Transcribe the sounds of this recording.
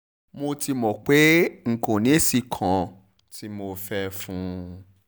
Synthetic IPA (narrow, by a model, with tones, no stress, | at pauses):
mo˧ti˧mɔ̃˨k͡pe˨˦ŋ̩˨kõ˨nĩ˨˦e˦si˧˨kʰã˨ | ti˦mo˧fɛ˦fũ˦